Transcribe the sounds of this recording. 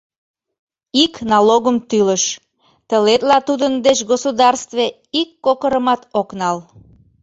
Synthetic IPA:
iknɑloɣəmt̪yləʃ | t̪əlet̪lɑt̪ud̪ənd̪et͡ɕɡosod̪ɑrst̪ve | ikːokəɾəmɑt̪oknɑl

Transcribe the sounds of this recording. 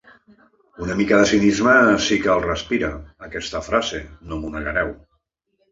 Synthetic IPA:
unəmikəðəsinizməsikəːlˠrəspiɾəːkɛst̪əfɾazenomunəʎəɾɛw

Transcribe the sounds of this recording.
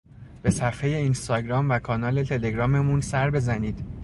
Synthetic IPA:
b̥e̞sæfe̞je̞inst̪ɒːɟɾɒːmvækʰɒːnɒːle̞t̪ʰe̞le̞ɡɾɒːme̞munsæɾbe̞zæniːd̪̥

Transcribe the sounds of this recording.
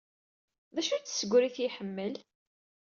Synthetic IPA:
ðæʃut͡sːsəɡʷɾiθiħəmːəl

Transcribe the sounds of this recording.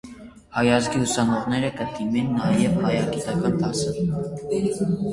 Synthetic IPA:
hɑjɑzɡiusɑnɔʁnɛɾəkəd̪imɛnːɑjɛvhɑjɑɡit̪ɑkɑnd̪ɑsə

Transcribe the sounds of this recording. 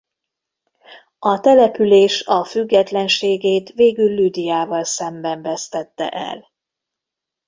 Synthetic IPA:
ɒt̪ɛlɛpyleːʃɒfyɡːɛt̪lɛnʃeːɡeːt̪veːɡylːyd̪ijaːvɒlsɛmbɛɱvɛst̪ɛt̪ːɛ̰ʔɛ̰l

